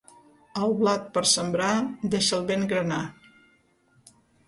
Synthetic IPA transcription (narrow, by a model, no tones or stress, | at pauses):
əlˠβlat̪̚pəɾsəmbɾad̪eʃəlˠβeŋɡɾəna